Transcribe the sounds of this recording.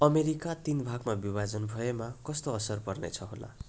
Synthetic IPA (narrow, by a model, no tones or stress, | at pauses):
ʌmeɾikat̪inbʱaɡmabibad͡zʌnbʱʌemakʌst̪oʌsʌrpʌrnḛt͡sʰʌɦola̰